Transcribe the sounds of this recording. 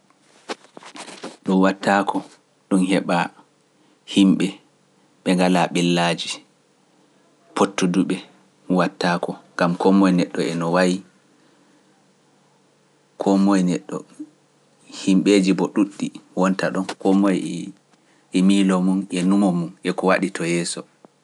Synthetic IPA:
ɗɔnwatːaːkʰɔ | ɗunhɛɓa | himɓɛ | ɓɛŋɡalaɓɛlːad͡ʒi | potːuduɓɛ | watːaːkɔŋɡamkɔmɔjnɛɗːɔɛnɔwaji | kʰɔmɔjnɛɗːɔ̰ | himɓed͡ʒibɔɗuɗːiwɔntaɗɔnkɔmɔj | ʔimilɔmunʔɛnumɔmunʔɛkɔwaɗitʰɔjɛːsɔ

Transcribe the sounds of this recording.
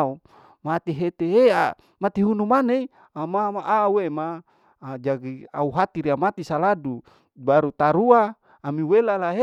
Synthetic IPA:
u | mat̪iɦet̪eea̰ | mat̪iɦunumanei | amamaʔauema | d͡ʒaɡia̰uɦat̪iɾiamat̪isaladu | baɾut̪aɾuaː | miwelalae

